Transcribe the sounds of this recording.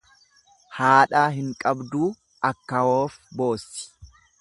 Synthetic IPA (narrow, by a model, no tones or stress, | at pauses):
haːᶑaːɦɪŋkʼɐbd̪uː | ʔɐkːɐwoːfbo̞ːsːɪ̥